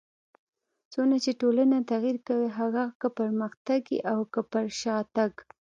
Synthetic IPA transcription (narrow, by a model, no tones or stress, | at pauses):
t͡sonat͡ʃeʈolanat̪aɣiɾkawiɦaɣakəpaɾməxt̪aɡḭʔawkəpaɾʃɑt̪aɡ